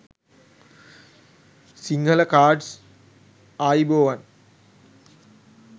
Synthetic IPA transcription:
siŋɡʱələkaːɖs | aːjboːʋan

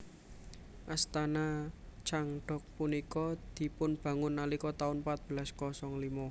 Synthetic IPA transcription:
ʔast̪anat͡ʃaŋɖ̥ɔ̤k̚punikɔd̪̥i̤pʊnb̥ä̤ŋʊnːalikɔt̪aʊnpat̪̚b̥əlaskɔsɔŋlimɔ

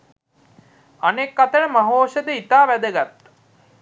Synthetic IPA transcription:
anekːat̪əɳəmaɦoːʃəd̪əit̪aːʋæd̪əɡat̪ː

